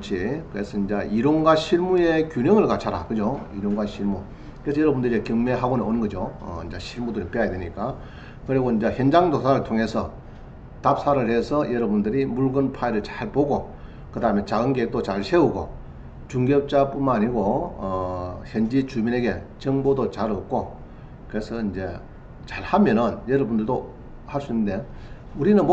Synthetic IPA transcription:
t͡ɕʰikɯɾesʰʌind͡ʑaʔiɾoŋɡaɕʰiɭmue̞kjuɲʌŋɯɭkat͡ɕʰaɾakɯd͡ʑoiɾoŋɡwaɕʰiɭmu | kɾe̞sʰʌjʌɾʌbundɯɾiekjɯŋme̞ɦaɡoneonɯnɡʌd͡ʑjoʌ̰ind͡ʑaɕʰiɭmudɯɾip͈eajadweɲik͈a | kɯɾiɡoind͡ʑaçjʌnd͡ʑaŋdosʰaɾɯɭtʰoŋe̞sʰʌ | tap̚sʰaɾɯɭhe̞sʰʌjʌɾʌbundɯɾimuɭɡɯnpʰaiɾɯɭt͡ɕḁɭpoɡo | kɯdaɦɯment͡ɕaɡɯnɡek̚t͈ot͡ɕaɭsʰe̞uɡo̰ | t͡ɕuŋɡep̚t͡ɕ͈ap͈unmnaɲiɡoʌçjʌnd͡ʑit͡ɕumine̞ɡe̞t͡ɕʌŋbodot͡ɕaɾok̚k͈o | kɯɾe̞sʰʌind͡ʑe̞ | t͡ɕaɭhamjʌnɯnjʌɾʌbundɯɭdo | haɭs͈uinːɯnde̞ | uɾinɯnm

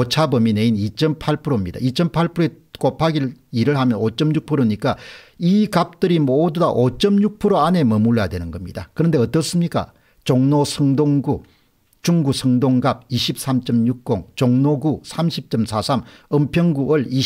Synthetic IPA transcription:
ot͡ɕʰabʌmine̞init͡ɕ͈ʌmpʰaɭpʰɯɾomɲid̥̪a̰it͡ɕ͈ʌmpʰaɭpʰɯɾoek͈opʰaɡiɭiɾɯɭhamjʌnot͡ɕ͈ʌmɲuk̚pʰɯɾoɲik͈aikap̚t͈ɯɾimoːdudaʔot͡ɕ͈ʌmɲuk̚pʰɯɾoane̞mʌmuɭjadwe̞nɯnɡʌmɲid̥a̰kɯɾʌnde̞ʌt͈ʌs͈ɯmɲik͈a̰ | t͡ɕoŋnosʰʌŋdoŋɡu | t͡ɕuŋɡusʰʌŋdoŋɡab̚iɕʰip̚s͈ʰamt͡ɕ͈ʌmɲuk̚k͈oŋt͡ɕoŋnoɡusʰamɕʰip̚t͡ɕ͈ʌmsʰasʰamʌmpʰjʌŋɡuʌɭi

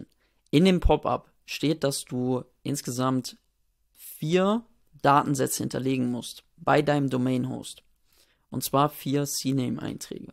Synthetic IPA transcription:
ʔɪndeːmpʰɔpa̰p | ʃteːt̚d̥asd̥uː | ʔɪnsɡ̥əzamt | fiːɐ | d̥aːtn̩zɛt͡səhɪ̰ntʰɐ̰leːɡŋ̩mʊst | b̥aɪdaɪnəmdomɛɪnɦo̰ːst | ʔʊntt͡sv̥aːɐfiːɐsiːnɛmʔa̰ɪntʁ̥ɛ̰ːɡə

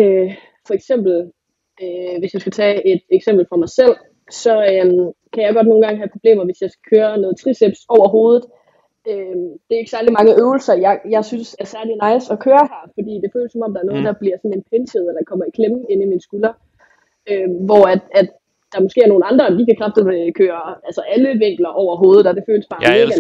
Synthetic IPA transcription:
ø | fɒ̽eɡ̥sem̰b̥l̩ | øʋe̝sjɑ̈ɪsɡ̥æt͡sʰɛːe̝d̥eɡ̥sem̰b̥l̩fʁɑ̈mɑ̈ɪsel̰ | sɒ̽ømkʰæjɑɪɡɒd̥no̝ːn̩ɡɑ̈ŋəɦæpʰʁo̝b̥le̝̰ːmɐʋe̝sjɑ̈ɪsɡ̥æ̥kʰøːɐnɔ̽ːð̞̩ˠt͡sʰʁiseb̥sɒʊ̰ɐɦo̝ːð̞ˠð̩ˠ | ød̥e̝æeɡ̥sæɐlimɑ̈ŋəʔøʊl̩sɐjɑɪjɑ̈ɪsynsæɐsæɐlinɑ̈ɪsɒ̽kʰøːɐhæɐfɒ̽d̥ḭːd̥e̝føːləsɒ̽mɒ̽md̥ɑ̈ɐnɔ̽ð̩ˠd̥ɑ̈b̥liɐsɒ̽nenpʰent͡sʰeð̞̩ˠenækʰɒ̽mɐikʰlemn̩e̝niminsɡ̥ylɐ | øʋɒæd̥æd̥ | d̥ɑmɔ̽sɡ̥e̝ːæɐno̝ːn̩ɑ̈nd̥ʁɐd̥ikʰækʰʁɑfd̥əð̩ekʰøːɐælsɐʔæləʋeŋ̰ɡ̥lɐʔɒʊ̰ɐɦo̝ːð̞̩ˠɒ̽d̥e̝føːləsb̥ɑ̈ːme̝ːɡ̥æ

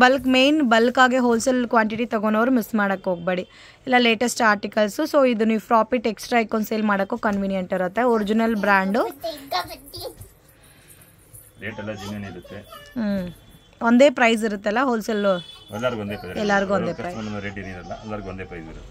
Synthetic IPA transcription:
bɐlkmejnbɐlkaːɡeɦoːlsɐlkʋaːɳʈiʈit̪ɐɡonoʋɐɾumismaːɽɐkːɦoːɡ̚beːɽi | ɛlːɐle̞ːʈɐsʈaːɾʈikɐlsusoːid̪uniːfɾaːpiʈeksʈɾaːjkːond̪seːlmaːɽɐkːukɐnʋiːnjeɳʈiɾɐt̪ːeoɾid͡ʒinɐlbɾaːɳɖu | leːʈɐlːɐd͡ʒinjɐniɾut̪ːe | ond̪e̞ːpɾɐjs̬iɾut̪ːɛlːɐɦoːlsɐlɛlːɐɾɡuond̪epɐɛlːɐɾiɡuond̪eːpɾɐjɐɐɾeːʈiɾiːdɐlːɐ̰ɛlːɐɾɡuond̪eːpɾɐjsḭɾut̪ː

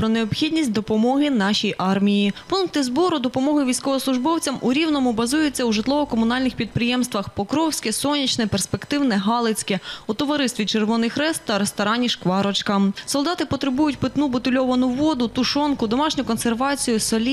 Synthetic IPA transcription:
pɾɔneɔpxʲid̪ʲnʲisʲtʲd̪ɔpɔmɔɦɪn̪ɑʃijʔɑrmʲijipunk̚t̪ɪzbɔɾʊd̪ɔpɔmɔɦɪʋʲijsʲkɔʋɔslˠʊʒbɔwt͡sʲɐmuɾʲiwnɔmʊbɐzujɛt͡sʲːɐwʒɪt̪lˠɔʋɔkɔmʊn̪ɑlʲnɪxpʲid̪̚pɾɪjɛmst̪ʋɐxpɔkɾɔwsʲkɛsɔnʲit͡ʃnɛperspekt̪ɪwnɛɦɑlˠɪt͡sʲkɛut̪ɔʋɐɾɪst̪ʋʲit͡ʃerʋɔnɪxɾɛst̪ːɐɾest̪ɔɾɑnʲiʃkʋɑɾɔt͡ʃkɐmsɔlˠd̪ɑt̪ɪpɔt̪ɾebujʊtʲpɪt̪nubʊt̪ʊlʲɔʋɐnʊʋɔd̪ʊt̪ʊʃɔnkʊd̪ɔmɑʃnʲʊkɔnserʋɑt͡sʲijʊsɔlʲi

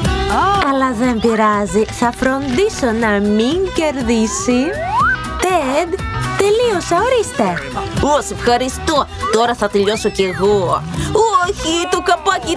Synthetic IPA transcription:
ɐlɐðe̞mbiɾɐziθɐfɾo̞nd̪iso̞nɐmiɲce̞ɾðisi | t̪ed̪t̪e̞lio̞sɐoɾist̪e̞use̞fxɐɾist̪o | t̪o̞ɾɐθɐt̪eʎo̞so̞ce̞ɣo | çit̪okɐpɐci

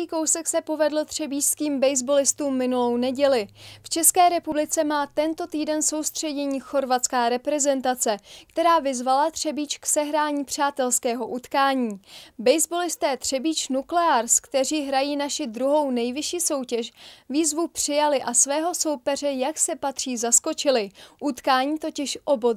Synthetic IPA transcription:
iːko̞wsɛksɛpo̞vɛdlot̪r̥ɛbiːʃskiːmbɛjzbo̞lɪst̪uːmːɪnulo̞wnɛɟɛlɪft͡ʃɛskɛːɾɛpublɪt͡sɛmaːt̪ɛnt̪o̞t̪iːdɛnso̞wst̪r̝̥ɛɟɛɲiːxo̞ɾvat̪t͡skaːɾɛpɾɛzɛnt̪at͡sɛkt̪ɛɾaːvɪzvalat̪r̝̥ɛbiːt͡ʃksɛɦɾaːɲiːpr̝̥aːt̪ɛlskɛːɦo̞ʔut̪kaːɲiːbɛjzbo̞lɪst̪ɛːt̪r̥ɛbiːt͡ʃnuklɛaɾskt̪ɛriːɦɾajiːnaʃɪd̪ɾuɦo̞wnɛjvɪʃiːso̞wcɛʃviːzvupr̝̥ɪjalɪʔasvɛːɦo̞so̞wpɛr̝ɛjaksɛpat̪r̝̥iːzasko̞t͡ʃɪlɪʔut̪kaːɲiːt̪o̞cɪʃʔo̞bo

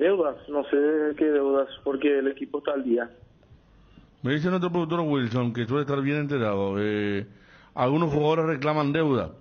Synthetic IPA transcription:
d̪ewðasnoseekeðewðaspoɾkeːlekipoest̪aːld̪ia | meðiθ̬enot̪ɾopɾðukt̪oɾoɣwilsoŋkes̬welest̪aɾβje̞nent̪eɾaðoe | alɣunosxuɣaðoɾesreklamand̪e̞wða̰

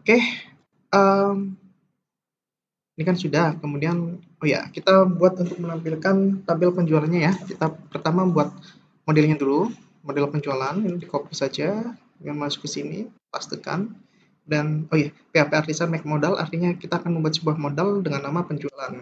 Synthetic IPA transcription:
okeh | ʔəm | inikansudahkəmudian | oja̰kit̪abuat̪̚unt̪ʊk̚mənampilkant̪abɪlpəɲd͡ʒualanɲajakit̪apərt̪amabuat̪̚ | modɛlɲadulu | modɛlpəɲd͡ʒualaninidikopisad͡ʒa | mamasu̥kusinḭ | past̪ika̰n | danojapeapeardisanmɛk̚modalʔa̰rt̪iɲakit̪aːkanməmbuat̪səbuahmodaldəŋanːamapəɲd͡ʒualan

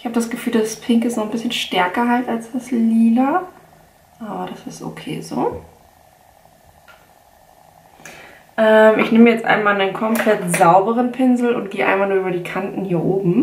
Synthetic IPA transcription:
ɪçhaːbəd̥asɡ̥əfyːldaspʰɪŋkɪstnɔχn̩bɪsçənʃtɛɐkɐɦaltalsd̥asliːlɐ | ʔaːbɐɾasɪsto̰kʰḛːzo̰ː | ʔɛmʔɪçnɪməjɛt͡stʔa̰ɪnmaːlnenkʰɔmpʰlɛtz̥aʊbəʁənpʰɪnzl̩ʊ̰nt̚ɡ̥eːʔaɪnmalnuːɐyːbɐdiːkʰantn̩hiːɐʔoːbm̩

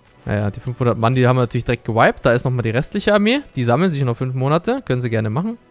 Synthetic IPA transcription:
ja̰ːjaːd̥iːfʏnfhʊndɐtmandiːhaːbm̩natyːɐlçd̥ʁɛkt̚ɡ̥əvaɪp̚t̚d̥aːɪstnɔχmaːldiːʁɛstlɪçəaɐmeːd̥iːzaml̩nzɪçnɔχfʏnfmoːnatəkʰœnənziːɡɛɐnəmaχn̩

